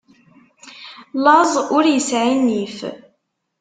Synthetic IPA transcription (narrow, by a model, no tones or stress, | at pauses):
lɑzˤʊɾjəsʕinːif